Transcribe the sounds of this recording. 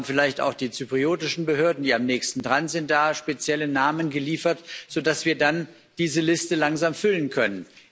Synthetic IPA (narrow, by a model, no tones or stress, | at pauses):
fɪlaɪçta̰ʊxd̥iːt͡sypʁ̥ioːtɪʃn̩bəɦøːɐdn̩diːamnɛːçstn̩tʁanz̥ɪnt̚d̥aːʃpet͡sjɛlənaːmənɡəliːfɐtz̥odasv̥iːɐdan | d̥iːzəlɪstəlaŋzaːmfʏlənkʰœnən